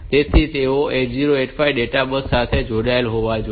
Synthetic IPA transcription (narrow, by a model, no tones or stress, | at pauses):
t̪et̪ʰit̪eoʔet͡ʃziɾoeʈfʰaiɖeʈabəsːat̪ʰed͡ʒoɽaelɦoʋad͡ʒ